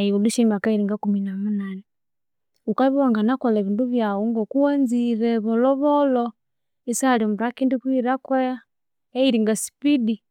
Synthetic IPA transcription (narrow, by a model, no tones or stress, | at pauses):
aiuluʃimakaiɾiŋɡakuminamunane | ukaβiwaŋɡanakoleβiːnduβjawuŋɡokuwanziɾeβoloβolo | isalimuɾakiːndukwiɾakweja | eiɾiŋɡasi̥pidi